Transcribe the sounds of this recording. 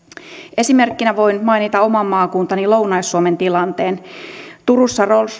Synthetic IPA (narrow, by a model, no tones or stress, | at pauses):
ʔe̞sime̞rkːinæʋo̞inmɑinit̪ɑomɑmːɑːkuːnt̪ɑnilownɑjsːuoment̪ilɑnt̪eːnt̪uɾusːɑrols